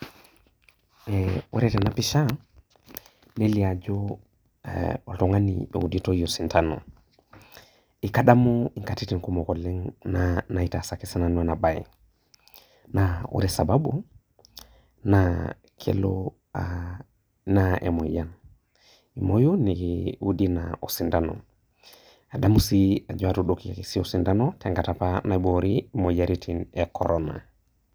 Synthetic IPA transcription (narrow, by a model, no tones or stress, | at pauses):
ewḛɾetenapiʃa | neliad͡ʒo̰ | oltoŋanḭḛuditoijosintʰano̰ | ikaɗamoiŋkatitiŋkumokoleŋnanaitasakisananwanabajḭ | nawṵɾesababu | na | kʰḛlo | a | naḛmojan | imojunikiudinaosindano̰ | adamusia̰d͡ʒoatuɗokiakisiosindanoteŋɡatapanaiboɾimojaɾitʰinekʰo̰ɾona̰